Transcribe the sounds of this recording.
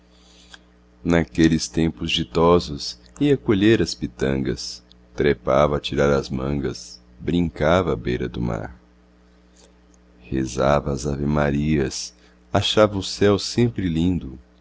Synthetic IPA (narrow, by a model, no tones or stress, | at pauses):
nakelɪst̪ẽmpʊzd͡ʒit̪ɔzʊs | iɐkoʎeɾɐspit̪ɐ̰̃ŋɡɐs | t̪ɾepavɐːt͡ʃiɾaɾɐzmɐ̰̃ŋɡɐ̰s | bɾĩŋkavɐːbejɾɐd̪ʊma̰ɾ | hezavɐːzavemaɾiɐs | aʃavɐʊsɛwsẽmpɾɪlĩnd̪ʊ